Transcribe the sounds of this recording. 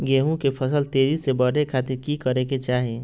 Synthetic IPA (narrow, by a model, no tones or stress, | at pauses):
ɡeːɦũkepʰəsəlt̪eːd͡ʒisebəɽ̤ekʰaːt̪ɪɾkikəɾeket͡ʃaːɦe